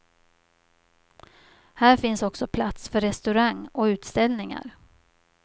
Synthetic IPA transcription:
hæːɾfɪnsɔksɔpʰlat̪sfœɾɛst̪ɵɾaŋːɔʉ̟ːt̪st̪ɛlnɪŋa̰ɾ

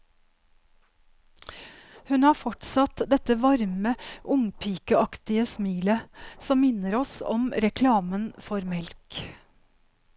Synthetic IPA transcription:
hʉnhɑːɾfɔʈsɑt̪d̪ɛt̪əʋɑɾməʔʊŋpʰiːkəɑkt̪ɪəsmiːləsɔmmɪnəɾɔsɔ̰mɾɛkʰlɑːmənfɔɾmɛlk

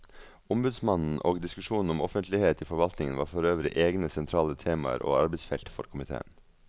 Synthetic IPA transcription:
ʊmbʉd̪smɑnn̩ʔoːɡd̪ɪskʉʂuːnn̩ʊmɔfənt̪lɪheːt̪iːfɔɾʋɑlt̪nɪŋənʋɑ̰ːɾfɔɾøːʋɾɪ̰ʔeːɡnəsɛnt̪ʰɾɑːlət̪ʰeːmɑ̰ə̰ɾʔo̰ːɑɾbɛɪsfɛlt̪fɔɾkʰʊmɪt̪ʰḛːə̰n

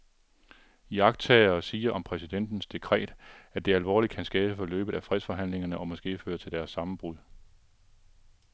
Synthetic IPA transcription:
ijɑ̈ɡ̥̚t͡sʰɛːɐːsiːɐʔɒ̽mpʰʁɛsid̥en̰d̥n̩sd̥e̝kʰʁɛ̰ːd̥æd̥e̝ælʋɒ̰ːlid̥̚kʰænsɡ̥ɛːb̥əfɒ̽lø̰ːb̥ð̞̩ˠæfʁɛð̰ˠsfɒ̽ɦæn̰le̝ŋɐnəʔɒ̽mɒ̽sɡ̥e̝̰ːfø̰ːɐt͡sʰe̝ld̥æɐsːɑ̈mn̩b̥ʁuðˠ

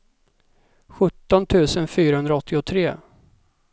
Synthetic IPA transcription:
ɧɵt̪ːɔnt̪ʰʉ̟ːsənfyːɾahɵnd̪ɾaɔt̪ʰːɪɔt̪ʰɾeː

